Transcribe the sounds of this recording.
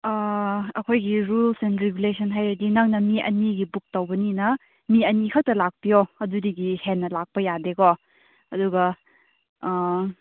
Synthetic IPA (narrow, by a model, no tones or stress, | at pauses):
ɐkʰojɡiɾulsenɾeɡulesʰɐnɦajɾɐdinaŋnɐmiʔɐ̰niɡibuk̚tɐwbɐninɐ | miɐnikʰawtɐlak̚pijoɐdudiɡihenːɐlak̚pɐjadekɔ | ɐduɡɐ